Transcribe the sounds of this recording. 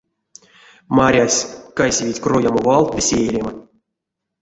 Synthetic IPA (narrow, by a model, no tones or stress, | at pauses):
maɾʲasʲkajsʲevʲitʲkrojamovɑlˠt̪̚vʲesʲeeɾʲema